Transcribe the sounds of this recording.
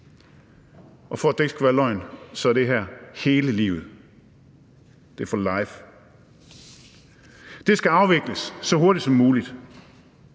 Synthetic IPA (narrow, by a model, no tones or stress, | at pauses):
ʔɒ̽fɒd̥eɡsɡ̥uʋæɐlɒ̽ɪ̰nsɒ̽æɐd̥e̝ɦæɐ̰he̝ːləlḭːʊð̩ˠ | d̥e̝ɐfɒlɑɪf | d̥e̝sɡ̥æɑ̈ʊʋe̝ɡ̥ləsːɒ̽ɦo̝ɐd̥i̥sɒ̽mːuːlid̥